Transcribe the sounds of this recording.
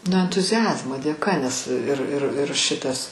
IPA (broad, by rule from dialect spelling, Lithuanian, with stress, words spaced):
nʊ ɛntʊzʲɪˈɑːzmoː dʲeːˈkɐ nʲɛs ɪr ɪr ɪr ˈʃʲɪtɐs